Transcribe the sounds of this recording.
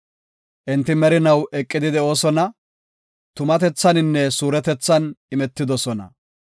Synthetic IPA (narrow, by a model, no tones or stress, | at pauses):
ʔɪnt̪ːɪmɛɾɪnɐwʔɛkʼːɪd̪ɪd̪ɛo̞ːsɔnɐ | t̪ʊmɐt̪ɛt͡sːɐnɪnːɛsuːɾɛt̪ɛt͡sːɐnɪmɛt̪ːɪd̪ɔsɔnɐ̰